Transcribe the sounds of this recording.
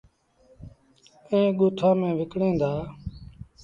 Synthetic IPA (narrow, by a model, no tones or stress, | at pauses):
ẽːɡʊːt̪ʰãːmẽːʋɪkɽẽːd̪aː